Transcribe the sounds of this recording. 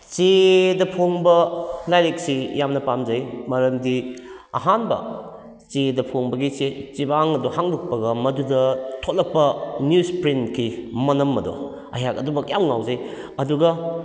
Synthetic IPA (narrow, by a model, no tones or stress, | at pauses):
t͡ʃedɐpʰoŋbɐlajɾek̚sijamnɐpamzɐjmɐɾɐmdi | ɐ̰ɦanbɐ̰ | t͡ʃedɐpʰoŋbɐɡiset͡ʃibaŋɐduhaŋduk̚pɐɡɐmɐdudɐtʰolɐpːɐnjuspɾinkʰimɐnɐmːɐdo̰ | ɐ̰jakɐdubɐkjamŋawzɐj | ɐduɡɐ